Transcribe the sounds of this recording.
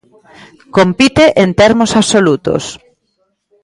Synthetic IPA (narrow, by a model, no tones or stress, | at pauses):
kompit̪eʔent̪ɛɾmosaβsolut̪o̰s